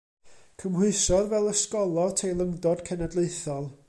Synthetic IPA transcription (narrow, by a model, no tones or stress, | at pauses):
kʰəmwʊɨsɔðvɛlˠəskɔlˠɔtʰejlˠəŋdɔd̥kʰɛnadlˠeɨθɔlˠ